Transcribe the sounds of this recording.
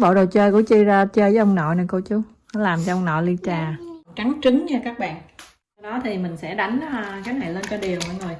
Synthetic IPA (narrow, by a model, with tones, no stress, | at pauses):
ɓo̰˧˨˩ɗə˨˩t͡ɕəː˧jkṵ˧˥t͡ɕi˧zaː˧t͡ɕəː˧jvəː˨˦ʔə˧wŋ͡mnɔ̰˧˨na˨˩jko˧t͡ɕu˨˦ | nɔ˨˦laː˨˩mt͡ɕɔ˧ʔwŋ͡mnɔ̰˧˨li˧t͡ɕaː˨˩t͡ɕa˨˦ŋt͡ɕɨ˨˦ŋɲaː˧kaː˦˥k̚ɓa̰ː˧˨n˧ | ɗɔ˨˦t̪ʰi˨˩mï˨˩ŋ̟sɛ̰˧˥ɗa˨˦jŋ̟kaː˨˦jna˨˩jləː˧nka˧ɗi˨˩əwə˧˦zo˨˩j